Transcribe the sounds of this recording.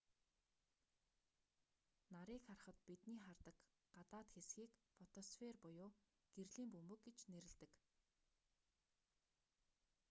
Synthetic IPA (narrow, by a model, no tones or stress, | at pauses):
naɾiːkχarχə̆t̪pit̪niːχart̪ə̆k | ɢat̪aːt̪xesxiːkfɔt̪ʰɔsferpʊjʊː | ɡ̥erɮiːmpɵmɵ̆k̚ɡet͡ɕneɾɘ̆ɮt̪ɘ̆k